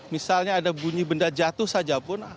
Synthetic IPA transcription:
misalɲaːdabuɲibəndad͡ʒat̪ʊhsad͡ʒapʊn

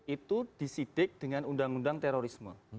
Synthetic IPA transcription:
it̪ud̥isid̥ɪk̚d̥əŋanundaŋundaŋt̪eɾoɾismə̰

